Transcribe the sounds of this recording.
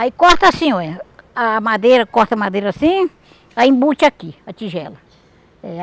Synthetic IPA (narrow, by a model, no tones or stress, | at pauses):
aikɔht̪ɐasĩoɛamad̪ejɾɐkɔht̪ɐmad̪ejɾɐasĩ | aĩbut͡ʃakiat͡ʃiʒɛlɐ | ɛ